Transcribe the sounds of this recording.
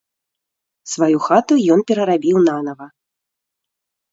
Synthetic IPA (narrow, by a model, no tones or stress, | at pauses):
svajuxat̪ujɔnpʲɛɾɐɾabʲiwnanɐvɐ